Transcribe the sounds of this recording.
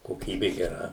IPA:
koːˈkʲiːbʲɪ ɡʲɛˈrɐ

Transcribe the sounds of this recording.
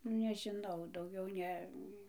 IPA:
nʊ nʲɛʒʲɪˈnɐʊ dɐʊˈɡʲɛʊ ˈnʲɛ

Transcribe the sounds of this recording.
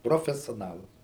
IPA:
proːfʲɛsʲoːˈnɑːlˠɐs

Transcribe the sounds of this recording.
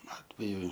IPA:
ˈɑːtʲʋʲɛjʊ

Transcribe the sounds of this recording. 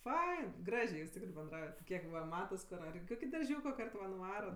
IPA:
ˈfɐɪn ˈɡrɑːʒʲeː juːs ˈtʲɪkrɜ bʲɛnˈdrɐʊjɛt ˈkʲiɛk ˈʋɐ ˈmɑːtɐs kʊr ɐr ɪ ˈkoːkʲɪ dɐrʲˈʒʲuːkoː ˈkɐrt ʋɐ nʊˈʋɑːrɐt

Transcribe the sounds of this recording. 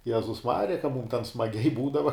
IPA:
ˈjæːzʊs ˈmɑːrʲɪjɛ kɐ muːm tʲɛn smɐˈɡʲɛɪ ˈbuːdɐʋɐ

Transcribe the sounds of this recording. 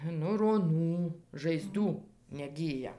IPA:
nʊ roːˈnuː ʒɐɪˈzduː nʲɛˈɡʲiːjɛ

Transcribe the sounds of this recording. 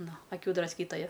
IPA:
ˈnʊ ɐˈkʲuː drɐsʲˈkʲiːtoːjɛ

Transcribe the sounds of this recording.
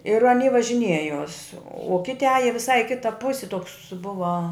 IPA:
ɪr ɐˈnʲiː ʋɐʒʲɪˈnʲiɛjoːs ʊ ˈkʲɪtʲɪ ˈɑːjɛ ʋʲɪˈsɐɪ ɪ ˈkʲɪtɐ ˈpʊsʲɪ toːks ˈbʊʋɐ

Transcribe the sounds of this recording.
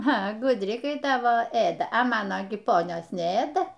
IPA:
ɐ ɡʊdʲˈrʲɪ kɐɪ ˈtɑːʋoː ˈeːdɐ ɐ ˈmɑːnoː ɡʲɪ ˈpoːnʲoːs nʲɛˈeːdɐ

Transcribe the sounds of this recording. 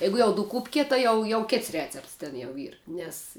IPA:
ˈjɛɪɡʊ jɛʊ dʊˈkuːpʲkʲɪ tɐɪ ˈjɛʊ jɛʊ ˈkʲeːts ˈrʲæːt͡sʲɛpts tʲɛn jɛʊ ˈiːr nʲɛs

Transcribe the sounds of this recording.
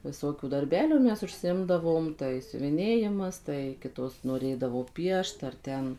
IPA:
ʋʲɪˈsoːkʲuː dɐrʲˈbʲæːlʲuː ˈmʲɛs ʊʃʲsʲɪˈɪmdɐʋoːm tɐɪ sʲʊʋʲɪˈnʲeːjɪmɐs tɐɪ ˈkʲɪtoːs noːˈrʲeːdɐʋoː ˈpʲiɛʃt ɐr ˈtʲɛn

